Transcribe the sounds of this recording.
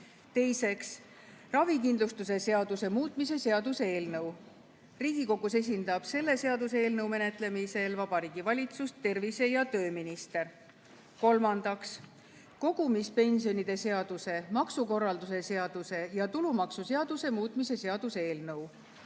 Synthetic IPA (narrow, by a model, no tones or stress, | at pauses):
t̪e̞jse̞ks | rɑvikind̪lust̪us̬e̞se̞ɑd̪use̞muːt̪ˑmis̬e̞se̞ɑd̪use̞e̞ːlnɤw | riːɡ̥iko̞ɡuse̞s̬ʲind̪ɑb̥se̞lːe̞se̞ɑd̪useeːlnɤwme̞net̪ˑle̞mise̞lvɑb̥ɑɾiːɡ̥ivɑlʲit̪sust̪ːe̞rvise̞jɑt̪ø̞ːminist̪e̞r | ko̞lmɑnd̪̥ɑks | ko̞ɡ̥umispe̞nʲsio̞nid̪̥e̞se̞ɑd̪̥use̞mɑksuko̞rːɑld̪us̬e̞se̞ɑd̪̥use̞jɑt̪ulumɑksuse̞ɑd̪̥use̞muːt̪ˑmise̞se̞ɑd̪̥usee̞ːlnɤuw